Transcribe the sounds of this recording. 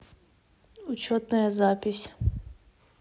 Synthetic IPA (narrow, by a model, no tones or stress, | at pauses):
ut͡ʃɔt̪nɐjɐzapʲisʲ